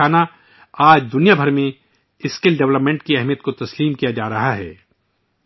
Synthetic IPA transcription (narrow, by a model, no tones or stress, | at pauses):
aːna | aːd͡ʒd̪ʊnijabʱɐɾmẽ | ɪskɪlɖɛʋləpmẽɳʈkiɛɦmijət̪̚kot̪ɐsliːmkijad͡ʒaːɾɐɦaɦɛ̰ː